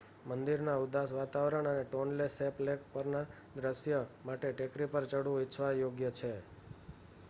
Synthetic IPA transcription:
mənd̪iɾnaud̪asʋat̪aʋɾəɳəneʈonleseplekpəɾna | d̪ɾəʃjəmaʈeʈekɾipəɾt͡ʃəɽũit͡ʃʰʋajoɡjət͡ʃʰe

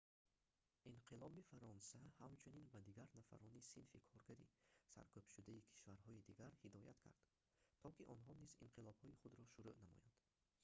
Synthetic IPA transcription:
inqʰilɔbifaɾɔnsahamt͡ʃʰuninbad̪iɡaɾnafa̰ɾɔnisinfikʰɔɾɡaɾḭsa̰ɾkʰøbʃud̪aikʰi̥ʃvaɾhɔid̪iɡaɾhid̪ɔja̰t̪kʰa̰ɾd̪̥ | t̪ʰɔkiʔɔnɦɔnizḭnqʰilˠɔb̥hɔiχud̪ɾɔʃuɾuʔnamɔ̰jand̪̥

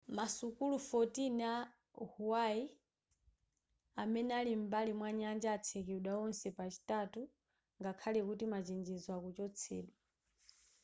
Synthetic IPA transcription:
masukulufɔtina | huwai | amɛnɛalim̩balimwaɲand͡ʒaːt͡sʰɛkɛuɗaɔnsɛpat͡ʃi̥tatu | ŋɡakʰalɛkutimat͡ʃind͡ʒɛzwakut͡ʃɔt͡sʰɛ̰ːɗwa

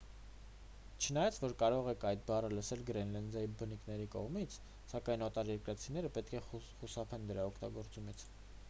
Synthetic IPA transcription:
t͡ʃʰənɑjɑt͡sʰvɔɾkɑɾɔʁɛkʰɑjt̪̚bɑrələsɛlɡɾɛnlɛnd̪ɑjibənikʰnɛɾikɔʁmit͡sʰ | sɑkɑjnɔt̪ɑɾjɛɾkɾɑt͡sʰinɛɾəpɛt̪̚kʰɛχusɑpʰɛnd̪əɾɑɔkʰt̪ɑɡɔɾt͡sumit͡sʰ

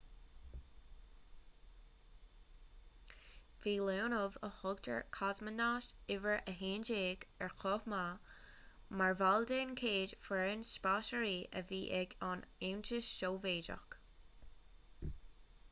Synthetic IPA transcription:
viːloːnʊvəxɔɡtʰə̰ɹkʰazmənaːʃɪvəɹʔəɦeːnd͡ʒeːɡɛɹkʰɔfma | maɹvaldeːnkʰeːdfɾɛːnspaːʃəɹiːʔəviːʔɛɡɑnent͡ʃɪʃʃoːveːd͡ʒə̰k

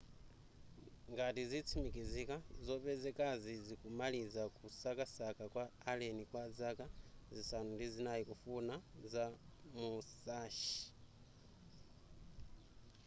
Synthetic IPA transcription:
ŋɡatizit͡sʰimikizikazopezekazizikumalizakusakasakakwaːlenikwazakazisanundizinajikufunazamusaʃi̥

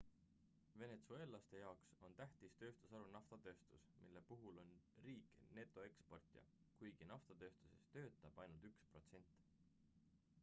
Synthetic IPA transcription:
ve̞ne̞t̪sue̞lːɑst̪e̞jɑokso̞nt̪æht̪ist̪ø̞ːst̪usɑɾunɑft̪ɑt̪ø̞ːst̪usmḭlːe̞puɦulo̞nriːkne̞t̪ːˑo̞e̞kspo̞rt̪ˑjɑ̰ | kujɡ̥inɑft̪ɑt̪ø̞ːst̪u̥se̞̰st̪ø̞ːt̪ːˑɑb̥ɑjnult̪ykspro̞̰t̪se̞nʲt̪ːˑ

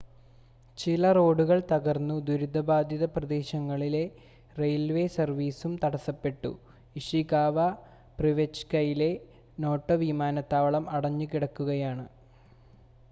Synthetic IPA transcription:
t͡ɕilɐro̞ːɽuɣɐɭt̪ɐɣɐrnːud̪uɾud̪ʱːɐbaːd̪ʱjɐðɐprɐd̪eːɕɐŋːɐɭile̞ | rejlʋe̞sɐrʋiːsumt̪ɐɽɐsɐpːe̞ʈːṵ | iʂikaːʋɐ | priʋet͡ɕkɐjile̞ | no̞ːʈːɐʋimaːnɐt̪ːaːʋɐɭɐmɐɽɐɲːukiɽɐkːuɣɐjaːɳɨ

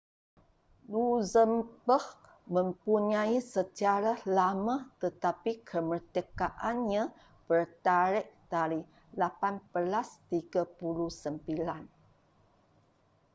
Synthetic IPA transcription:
luzəmbəh | mə̃mpuɲaisət͡ʃaɾalamat̪ət̪apikʰəmərt̪əkaʔanɲã | bərt̪aɾɪʔ̚d̥aɾi | lapanb̥əlast̪iɡapuluhsəmbilan

